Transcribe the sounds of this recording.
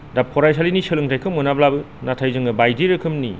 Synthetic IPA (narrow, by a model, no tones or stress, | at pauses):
dap̚kʰɔɾajs̬alinisɯlɯŋtʰajkʰɯmɯnablabɯ | natʰajzɯŋɯbajdiɾɯkʰɯmnḭ